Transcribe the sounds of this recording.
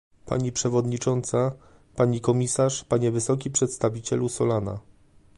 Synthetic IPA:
pa̰ɲipʂɛvɔd̪ɲit͡ʂɔnt̪sa | paɲikɔmʲisaʂpaɲɛvɘsɔk̬ʲipʂɛt̪st̪avʲit͡ɕɛlusɔlana̰

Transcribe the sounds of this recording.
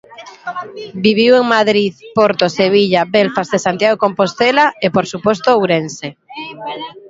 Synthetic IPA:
biβ̞iweŋmaðɾiðpoɾt̪oseβ̞iʎabelfazðesant̪jaɣokompost̪elaepoɾsupost̪oowɾense

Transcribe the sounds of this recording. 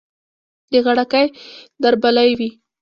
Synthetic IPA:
d̪əɣaɽakajd̪aɾbalajwi

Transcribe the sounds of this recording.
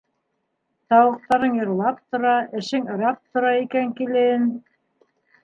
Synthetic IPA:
t̪ɑwɤ̆q̚t̪ɑɾɤnjɤ̆ɾlˠɑp̚t̪ŏɾɑʔɘ̆ʃɘŋɤ̆ɾɑp̚t̪ŏɾɑikæŋkilɘɘn

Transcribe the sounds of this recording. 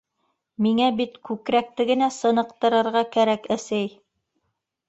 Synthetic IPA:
miŋæbit̪kʉkɾæk̚t̪ɘɡɘ̆næsɤ̆nɤ̆q̚t̪ɤ̆ɾɤ̆ɾʁɑkæɾækæsæj

